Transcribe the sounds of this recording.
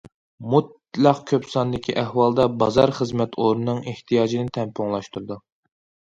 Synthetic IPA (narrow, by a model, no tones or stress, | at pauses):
mut̪̚ | lˠɑqkʲʰøpsɑnd̪ɪkʲʰiʔɛhwɑlˠd̪ɑbɑzɑɾχəzmɛt̪ʰoɾnɨnːɨŋeht̪ʰijɑːd͡ʒinɪt̪ʰɛmpʰuŋlˠɑʃt̪ʰuɾɨd̪u